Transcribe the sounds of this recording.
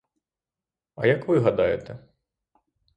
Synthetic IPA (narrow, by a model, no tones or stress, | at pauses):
ɐ̰jɐkʋɨɦɐd̪ajɛt̪ɛ